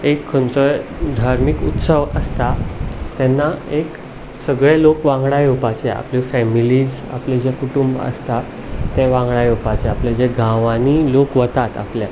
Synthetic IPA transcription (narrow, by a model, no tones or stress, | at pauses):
ekʰːənt͡səjd̪ʱaɾmikut̪səʋəst̪at̪ɛnːaek | səɡɭelokʋãŋɡɽajopat͡ɕea̰plefɛmiliːd͡z | a̰pled͡ʑekuʈumbə̰st̪a | t̪eʋãŋɡɽajopat͡ɕeapled͡ʑeɡʱãʋãnilokʋət̪at̪a̰plja